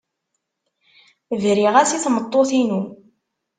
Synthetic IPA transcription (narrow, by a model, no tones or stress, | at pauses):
vɾiʁæsiθmət̪ˤːoθinu